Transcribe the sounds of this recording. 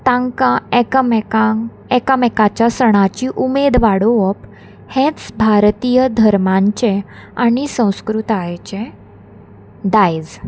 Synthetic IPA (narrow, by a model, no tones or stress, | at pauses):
t̪ãŋkaekəmkaŋ | ekəmekat͡ɕjasəɽ̃at͡ɕiʔumed̪ʋaɽoəp | hẽt͡sbʱaɾt̪ijəd̪ʱəɾmaɲt͡ɕeaɽ̃isə̃w̃skɾut̪ajet͡ɕe | d̪ajd͡z